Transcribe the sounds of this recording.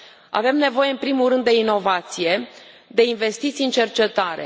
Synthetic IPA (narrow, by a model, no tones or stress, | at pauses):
a̰ve̞mne̞vo̞jeɨnpɾimuɾɨnd̪ːe̞ino̞vat̪sije̞ | d̪e̞inve̞st̪it̪siɨnt͡ʃe̞rt͡ʃe̞t̪aɾe̞̰